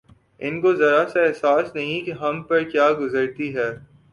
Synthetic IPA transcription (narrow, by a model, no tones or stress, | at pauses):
ɪnkozɐɾasaɛɦsaːsnɐɦĩkeɦɐmpɐɾkjaːɡʊzəɾt̪iɦɛː